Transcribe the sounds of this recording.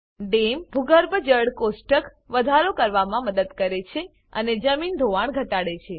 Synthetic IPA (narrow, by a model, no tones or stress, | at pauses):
ɖembʱuɡəɾbəd͡ʒəɽkosʈək | ʋəd̪ʱaɾokəɾʋamãməd̪əd̪kəɾet͡ʃʰe | ə̰ned͡ʒəmind̪ʱoʋaɳɡʱəʈaɽet͡ʃʰe